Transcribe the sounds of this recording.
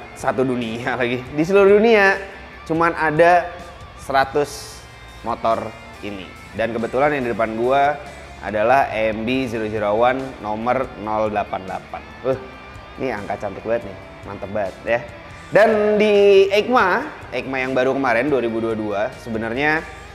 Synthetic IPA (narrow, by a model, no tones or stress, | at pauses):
sat̪udunialaɡidis̬əluɾʊhdunia | t͡ʃumanʔada | səɾat̪ʊs | mot̪ɔr | inḭ | dankəbət̪ulanjaŋdidəpanɡua | a̰dalahɛmbid͡ʒiɾod͡ʒuɾawanːɔmərnɔldəlapandəla̰panwah | nia̰ŋkat͡ʃamt̪ɪk̚baət̪̚ɲɪ | ma̰nt̪əbat̪̚ja | dandiek̚ma | ʔek̚majaŋbaɾukəmaɾɛnduaɾibuduaduasəbənərɲa